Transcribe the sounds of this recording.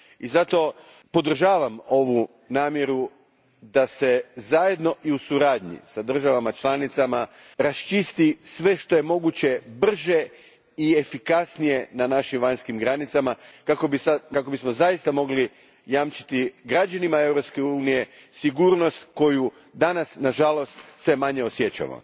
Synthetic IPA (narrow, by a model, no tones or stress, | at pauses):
izat̪o̞ | po̞d̪r̩ʒaːʋamo̞ʋu | naːmje̞ɾu | d̪ase̞zaje̞d̪no̞ʔiusuɾaːd̪ɲḭsad̪r̩ʒaʋamat͡ʃlanit̪sama | ɾast͡ʃist̪isʋe̞ʃt̪o̞je̞mo̞ɡut͡ɕe̞br̩ʒe̞ | iefikasnije̞nanaʃimʋaɲskimɡɾanit̪samakakobisakako̞bismozajist̪amo̞ɡli | jaːmt͡ʃi̥t̪iɡɾad͡ʒanimae̞vɾo̞pske̞uːnije̞ | siɡuːɾno̞st̪ko̞ju | d̪anasnaʒalo̞st̪sʋe̞maɲeosjet͡ɕa̰mo̰